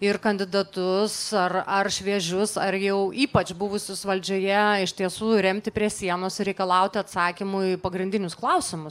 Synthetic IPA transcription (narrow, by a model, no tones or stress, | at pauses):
ɪrkɐnʲd̪ʲɪd̪ɐt̪ʊsɐrɐrʃʲʋʲiɛʒʲʊsɐrjɛʊʔiːpɐt͡ʃbʊʋʊsʲʊsʋɐlʲd͡ʒʲoːjɛɪʃʲt̪ʲiɛsuːɾʲɛmʲt̪ʲɪpʲɾʲiɛsʲiɛnoːsɪɾʲɛɪkɐlˠɐʊt̪ʲɪɐt̪sɑːkʲɪmʊipɐɡɾʲɪndʲɪnʲʊsklˠɐʊsʲɪmʊs